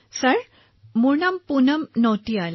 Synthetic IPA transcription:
səɭ | muɳəmpunəmnɔwt̪ial

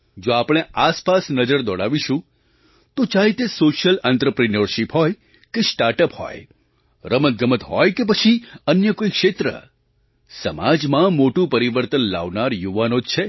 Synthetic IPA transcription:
d͡ʒoapɽ̃easpasnəd͡ʒəɾd̪ɔɽaʋiʃũ | t̪ot͡ʃaɦet̪esoʃjəlɛnt̪ɾəpɾinəɾʃipɦɔj | kesʈaɾʈəphɔ̰j | ɾəmət̪̚ɡəmət̪ɦɔjkep̬ət͡ʃʰiənjəkoikʃet̪ɾə̰ | səmad͡ʒmãmoʈũpəɾiʋəɾt̪ənla̰ʋnaɾjuʋanod͡ʒt͡ʃʰe

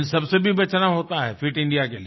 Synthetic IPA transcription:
nsɐbsebʱibɐt͡ʃʰnaɦoːt̪aɦɛfɪʈɪ̃ɳɖijakeli

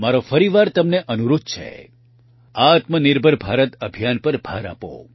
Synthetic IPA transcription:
maɾofəɾiʋaɾt̪əmneʔənuɾud̪̚t͡ʃʰḛ | aːt̪mənɪɾbʱəɾbʱaɾət̪əbʱijanpəɾbʱa̰ɾa̰po̰

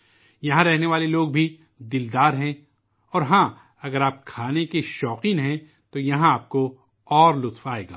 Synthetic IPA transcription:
jɐɦãɾɛɦneʋaːleloːɡ̚bʱi | d̪ɪld̪aːɾɦɛ̃ | ɔːɾɦãː | ɐɡəɾaːpkʰaːnekeʃɔːqĩnɦɛ̃ | t̪ojɐɦãaːp̚ko | ɔːɾlʊt̪faːḛːɡa̰ː

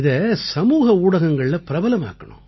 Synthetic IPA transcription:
ɪðɐsɐmuːɣɐuːɽɐɣɐŋɡɐɭɪlɐpɪɾɐbɐlɐma̰ːkːɐɳʊ̰̃

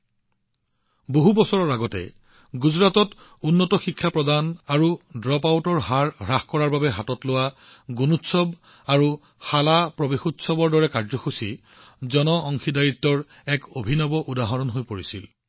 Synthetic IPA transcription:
boɦubɔsɔɹɔɹaɡɔtɛ̰ | ɡuzɹatɔtunːɔtɔxikʰːapɹɔdanaɹudɹɔpawtɔɹɦaɹɹaxkɔɹaɹbabɛɦatɔtlowa | ɡunutsɔb | aɹu | xalapɹɔbexutsɔbɔɹdɔɹɛkaɹzɔxusi | zɔnɔʔɔŋxidajitːɔɹ | ɛkobʱinɔbɔʔudaɦɔnɔnɦojpoɹisil

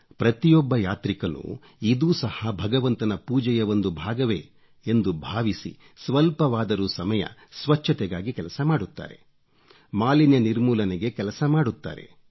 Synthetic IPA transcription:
pɾɐt̪ijɔbːɐjaːt̪ɾikɐnṵ | id̪uːsɐhabʱɐɡɐʋɐnt̪ɐnɐpuːd͡ʒɛjɐʋond̪ubʱaːɡɐʋeː | end̪ubʱaːʋisḭ | sʋɐlpɐʋaːd̪ɐɾusɐmɐjɐ̰sʋɐt͡ʃʰːɐt̪ɛɡaːɡikɛlɐsɐmaːɽut̪ːa̰ːɾe̞̰ | maːlinjɐniɾmuːlɐneɡe̞kɛlɐsɐmaːɽut̪ːa̰ːɾe̞̰

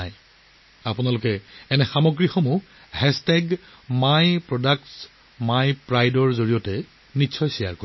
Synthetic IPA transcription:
aj | apunalʊkɛɛnɛxamoɡɹixomu | hɛstɛɡ | majpɹɔdakt | majpɹajdɔɹzoɹijɔtɛ | nitːsʰɔjsija̰ɹko

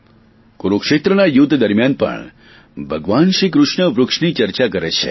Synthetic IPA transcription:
kuɾokʃet̪ɾənajut̪d̪əɾmjanpə̰ɳ | bʱəɡʋanʃikɾuʂɳəʋɾʊkʂnit͡ʃəɾt͡ʃakəɾet͡ʃʰḛ

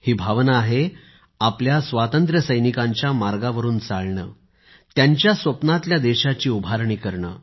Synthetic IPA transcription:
hiːbʱaʋnəːɦe | apljasʋat̪ənt̪ɾəsəjnikãɲt͡ɕjamaɾɡaʋəɾuːnt͡saɭɳə̰ː | t̪jaɲt͡ɕjasʋəpnat̪ljad̪eɕat͡ɕiːubʱaɾɳiːkəɾɳə̰ː

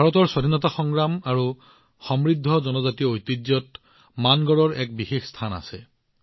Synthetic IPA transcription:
bʱaɹɔtɔɹsɔdʱinɔtaxɔŋɡɹamaɹu | xɔmɹidʱːɔzɔnɔzatiɔojtizjɔt | manɡɔɹɔɹɛk̚bixexstʰana̰sɛ

